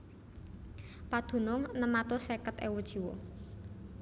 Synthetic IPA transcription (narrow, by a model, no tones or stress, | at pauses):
pad̪̥ṳnʊŋnəmat̪osekət̪ḛwud̥ʒ̥i̤wɔ̰